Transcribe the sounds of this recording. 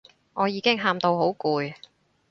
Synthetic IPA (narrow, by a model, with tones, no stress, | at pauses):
ŋʔɔː˨˧jiː˨˧kɪ˥ŋɦaː˧mt̪o˧wɦo˨˥wkuː˨j